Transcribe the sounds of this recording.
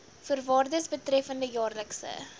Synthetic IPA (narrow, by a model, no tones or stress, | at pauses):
fərvɑːrdəsbətrɛfəndəjɑːrləksə̰